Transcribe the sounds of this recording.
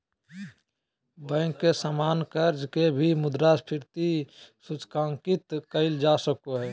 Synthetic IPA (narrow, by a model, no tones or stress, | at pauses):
bə̃ŋkːesamaːnkəɾd͡ʒkebʱimʊd̪ɾaspʰɪɾt̪isut͡ʃkãːŋkɪt̪kəɪld͡ʒaːsəkoɦɛː